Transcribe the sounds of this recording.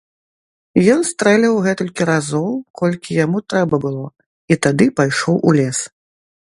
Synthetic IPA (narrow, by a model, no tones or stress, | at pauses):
jɔnst̪ɾɛlʲɐwɣɛt̪ɔlʲkʲiɾazɔwkʰɔlʲkʲijamut̪ɾɛbɐbɨlˠɔ | it̪ad̪ɨpajʂɔwʔulʲɛs